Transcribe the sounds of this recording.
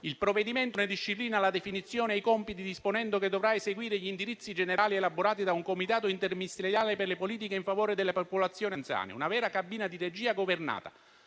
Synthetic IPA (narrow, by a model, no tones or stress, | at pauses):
ilpɾoved̪iment̪oned̪iʃːipliːnalad̪efinit̪sːjoːneajkɔmpit̪id̪isponɛnd̪oked̪ovɾaeseɡwiːɾeʎind̪iɾit̪sːid͡ʒeneɾaːlielaboɾaːt̪id̪auŋkomit̪aːt̪oint̪ermiist̪ɾeɾjaːleperlepoliːt̪̬ikeiɱfavoːɾed̪elːepopolat̪sːjoːnjant̪sja̰ːnḛunavɛːɾakabiːnad̪iɾed͡ʒiːaɡoverna̰ːt̪a̰